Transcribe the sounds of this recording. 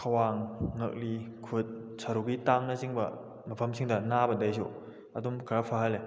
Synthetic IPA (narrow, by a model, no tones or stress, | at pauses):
kʰɐwaŋːɐk̚likʰut̚ | sɐɾuɡitaŋnɐsiŋbɐ̰ | mɐpʰɐmsiŋdɐnabɐdɐjsṵ | ɐdumkʰɐɾapʰaɦɐle